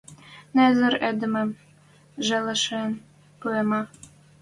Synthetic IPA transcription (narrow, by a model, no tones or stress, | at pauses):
nezə̆ɾed̪ɘ̆mə̆m | ʒeləʃen | puemɑ